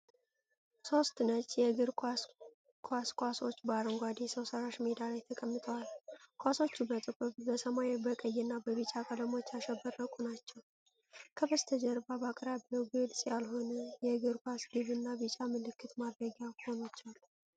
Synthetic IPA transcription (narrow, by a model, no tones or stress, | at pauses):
so̞st̪nət͡ʃʼjɛɡɨɾkʰʷʼa | kʰʼwaskʷʼaso̞t͡ʃːbaɾɨŋɡʷad̪esəwsəɾaʃmed̪alejt̪ʰəkʼəmːɨt̪ʰʼəwalkʰʷʼaso̞t͡ʃːubət̪ʼɨkʼuβbəsəmajbəkʼəjːɛnːabəβɨt͡ʃʼakʼələmo̞t͡ʃːaʃɛbərːəkʼunat͡ʃːɛw | kʰəbəst̪ʰəd͡ʒɛɾbabakʼɾabəwɡɨlsʼjalɦo̞nəjɛɡɨɾkʷʼwasɡɨβɨnːabɨt͡ʃʼamɨlɨkʰːɨt̪mad̪ɾəɡaho̞nat͡ʃːɛwal